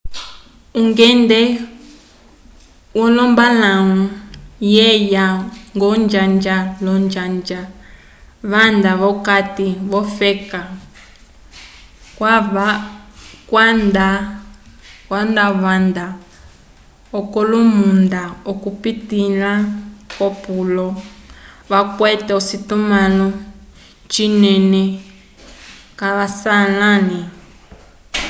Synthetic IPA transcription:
uŋɡɛndɛ | wɔlɔmbalaujɛjaŋɡɔnd͡ʒand͡ʒalɔnd͡ʒand͡ʒa | βand̪aβɔkatiβɔfɛka | kwaβa | kwanda | kwandaβand̪a | ɔkɔlumundaɔkupitilakɔpulɔ | βakwɛtɛɔsitumalɔ | t͡ʃinɛnɛ | kaβasalani

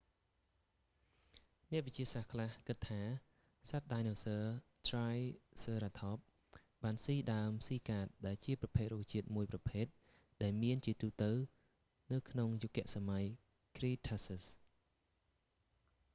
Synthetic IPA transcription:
nɛ̆əʔʋit͡ɕiəsahkʰlahkɨt̪ʰːaː | sat̪̚ɗajnoːsəːtrajsəːɾat̪ʰɑːp̚ | ɓaːnsiːɗaəmsiːkaːt̪̚ɗaɛlt͡ɕiəprɑpʰeːt̪̚ruːt͡ɕiət̪̚muəjprɑpʰeːt̪̚ | ɗaɛlmiənt͡ɕiət̪uːt̪ɨw | nɨwkʰnoŋjukːɛ̆əʔsamaj | kriːt̪ʰəsəs

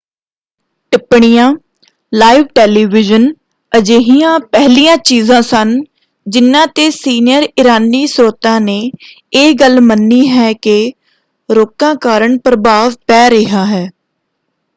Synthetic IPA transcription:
ʈɪpɳijãː | laːɪʋʈɛːliːʋɪd͡ʒən | əd͡ʒeːɦijãːpɛɦlijãːt͡ʃiːzãːsən | d͡ʒɪnːãːt̪eːsiːnɪjəɾɪɾaːniːsɾoːt̪ãːneː | eːɡəlmənːiːɦɛːke | ɾoːkãːkaːɾəɳpɾəbaːʋpɛːɾɪɦaːɦɛː

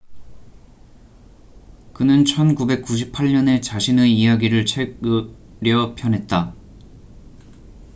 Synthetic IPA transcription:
kɯnɯnt͡ɕʰʌnkube̞k̚k͈uɕ̬ʰipʰaɭɲʌne̞t͡ɕaɕʰineijaɡiɾɯɭt͡ɕʰe̞ɡ | ɾjʌpʰjʌnɦe̞t̚t͈a

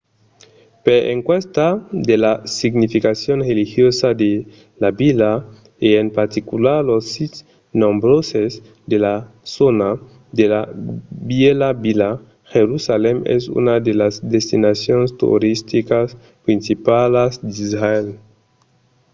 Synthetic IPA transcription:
peɾḛŋkwest̪ad̪elasiɡnifikasjonrelixjosad̪e | labila | eempaɾt̪ikulaɾlosːit̪s | nõmbɾosez | d̪ela | sona | d̪elabjelabila | xeɾusalemḛsṵnad̪elazd̪est̪inasjonst̪ṵɾist̪ikas | pɾinsipalazd̪izɾael

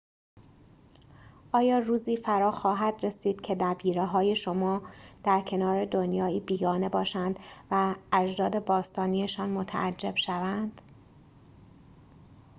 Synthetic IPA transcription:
ʔɒːjɒːruːziːfæɾɒːxɒːɦæd̪re̞siːd̪̥cʰe̞d̪æbiːɾeɦɒːje̞ʃo̞mɒːd̪̥æɾcʰe̞nɒːɾe̞d̪o̞njɒːiːbiːɡɒːne̞bɒːʃænd̪̥væːd͡ʒd̪ɒːd̪e̞bɒːst̪ɒːniːeʃɒːnmo̞t̪ʰæ̰ʔæd͡ʒːeb̥ʃævænd̪̥

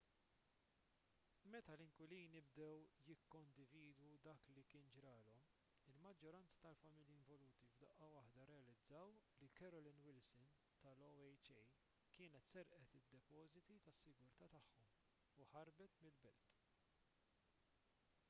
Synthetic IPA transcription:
mɛt̪ɐlɪŋkwɪliːnɪbd̪ɛwjɪkːɔnd̪ɪviːd̪wud̪ɐːklikɪːnd͡ʒɾɐːlɔm | ɪlmɐd͡ʒːɔɾɐnt͡sɐ̥t̪ɐlfɐmɪljiɪɱvɔluːt̪ivd̪ɐʔɐwɐħd̪ɐɾɛɐlɪd͡zːɐwlikɛɾɔlɪnwɪlsɪn | t̪ɐlɔɛjt͡ʃɛj | kɪːnɛt̪sɛɾʔɛt̪ɪd̪ːɛpɔːzɪt̪it̪ɐsːɪɡʊɾt̪ɐːt̪ɐħːɔm | uħɐɾbɛt̪mɪlbɛlt̪

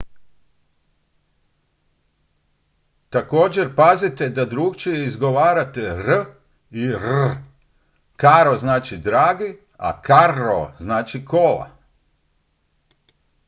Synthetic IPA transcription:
t̪ako̞ːd͡ʑe̞ɾpazit̪ed̪ad̪ɾuɡt͡ʃijeizɡo̞ʋaːɾat̪eɾ | iɾ | kaɾoznaːt͡ʃid̪ɾaːɡi | a̰kaɾo̰znaːt͡ʃikola̰

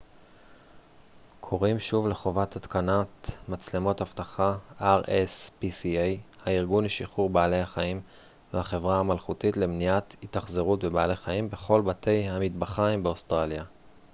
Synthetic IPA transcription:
kʰo̞ʁimʃuvle̞χo̞vathatkanatmat͡sle̞mo̞thaftaχaaʁespisiejhaiʁɡuniʃiχuʁbaːle̞jhaχaim | vehaχe̞vʁahamalχutitle̞mnijathitaχzeʁutbebaale̞jχaimbe̞χo̞lbatʰe̞jhamitbaχajmbeost̪ʁalja

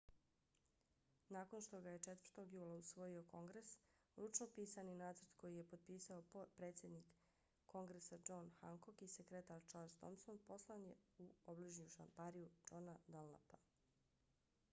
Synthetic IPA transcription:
naːko̞nʃt̪o̞ɡaje̞t͡ʃet̪ʋərɾt̪o̞ɡjuːlˠausʋo̞jio̞ko̞ŋɡɾes | ɾut͡ʃnopiːsaninaːt̪sɾd̪ko̞jije̞po̞d̪̚piːsaopɾe̞ːt̪sje̞d̪nikː | o̞ŋɡɾesad͡ʒo̞nxaŋko̞kisekɾet̪aːɾt͡ʃaːɾʒt̪o̰msonpo̞slˠanje̞uobliʒnijuʃa̰mpaɾijud͡ʒo̞nad̪alnapa

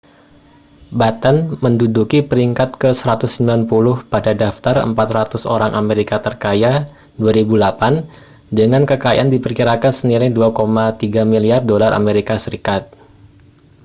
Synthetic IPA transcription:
bat̪anməndudukipəɾiŋkat̪̚kəsəɾat̪ʊsːəmbilanpulʊhpadadaft̪arə̰mpat̪rat̪ʊso̰ɾaŋʔameɾikat̪ərkaja | duaɾibulapan | dəŋankəkaj̰ʔandipərkiɾakansənilajduakomat̪iɡamiliardolarʔa̰meɾikasəɾikat̪̚

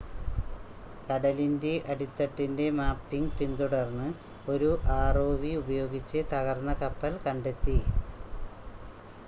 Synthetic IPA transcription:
kɐɽɐlinde̞ʔɐɽit̪ːɐʈːinde̞maːpːiŋpind̪uɽɐrnːɨ | o̞ɾuʔaːroːʋiubɐjo̞ːɡit͡ɕːɨt̪ɐɣɐrnːɐkɐpːɐlkɐɳɖe̞t̪ːi

